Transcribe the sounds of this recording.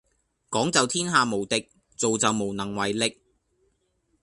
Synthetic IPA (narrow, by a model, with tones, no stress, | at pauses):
kɔː˨˥ŋt͡sɐ˨wt̪ʰiː˥nɦaː˨˧mo˨˩wt̪ɪ˨k̚ | t͡so˨wt͡sɐ˨wmo˨˩wnɐ˨˩ŋwɐ˨jlɪ˨k̚